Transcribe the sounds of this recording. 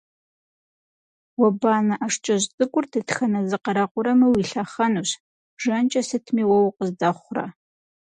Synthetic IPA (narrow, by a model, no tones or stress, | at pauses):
wɐbaːnɐʔɐʂt͡ʃʼɐʑtʼɨkʷʼʊrtʰɨtxɐnɐzɨqɐɾɐqʷʊɾɐmɨwiɬɐχɐnuːɕ | ʒɐnt͡ʃʼɐsɨtʰmiːwɐwqəzdɐχʷrɐ̰